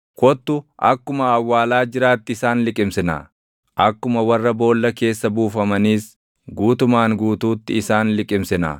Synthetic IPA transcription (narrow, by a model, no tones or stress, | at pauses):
kɔt̪ːʊʔɐkːʊmɐːwːaːlaːd͡ʒɪɾaːt̪ːɪɪsaːnlɪkʼɪmsɪnɐ̰ː | ʔɐkːʊmɐwɐrːɐbo̞ːlːɐke̞ːsːɐbuːfɐmɐniːs | ɡuːt̪ʊmaːŋɡuːt̪uːt̪ːɪɪsaːnlɪkʼɪmsɪna̰